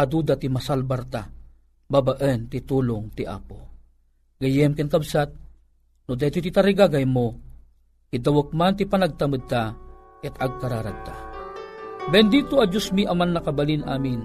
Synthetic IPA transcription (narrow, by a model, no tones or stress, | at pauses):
ad̪uːd̪at̪imasalbaɾt̪a | babaʔənt̪it̪uːlʊŋt̪iʔa̰ːpo | ɡɐjɛmkɛnkabsat̪̚ | nod̪ɛt̪it̪it̪aɾiɡaɡajmo | kid̪awək̚mant̪ipanaɡ̚t̪amɨd̪̚t̪a | kɛt̪aɡ̚kaɾaɾaɡ̚t̪a | bɛnd̪iːt̪oɐd͡ʒosmiʔamanːakabalinʔa̰ːmɪn